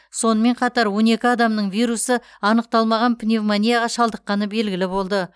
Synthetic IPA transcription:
so̞nəme̞ɴqʰɑt̪ɑɾwo̞ne̞kʲɪɑd̪ɑmnəɴvijɾusə | ɑnəq̚t̪ɑlˠmɑʁɑnpʰnʲe̞vmanʲijaʁɑʃɑlˠd̪əqːɑnəbe̞lɡʲɪlɪbo̞lˠd̪ə

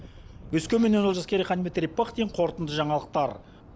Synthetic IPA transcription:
wɵskʲemene̞nwolˠʒɑskʲe̞ɾeχɑnʲimet̪rʲepːɑχd̪ejɴqʰo̞ɾt̪ənd̪əʒɑɴɑlˠəq̚t̪ɑɾ

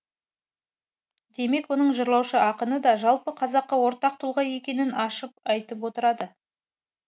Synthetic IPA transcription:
d̪̥e̞me̞kwo̞nəɴʒəɾlˠɑwʃəʔɑqənəd̪ɑʒɑlˠpəqʰɑzɑqːɑwo̞ɾt̪ɑq̚t̪ʰulˠʁɑje̞kʲe̞nɪnɑʃəp̚ɑjt̪əpwo̞t̪əɾɑd̪ə

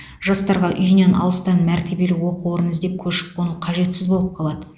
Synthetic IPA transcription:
ʒ̥ɑst̪ɑɾʁɑʔʏjɪne̞nɑ̰lˠəst̪ɑnmæɾt̪ʰe̞be̞lɪwo̞quwoɾəɴəzd̪e̞p̚kʲʰɵʃɪ̥p̚wonuqʰɑʒe̞t̪sɪzbo̞lˠəp̚qʰɑlˠɑd̪ə

